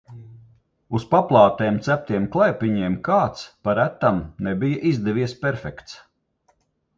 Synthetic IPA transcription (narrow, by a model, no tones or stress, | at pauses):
uspaplˠɑːt̪ɛːmt̪sæp̚t̪iɛmklˠajpʲiɲiɛmkaːt̪spaɾæt̪ːamnɛbijaʔizd̪ɛviɛspʲɛɾfʲɛkt̪s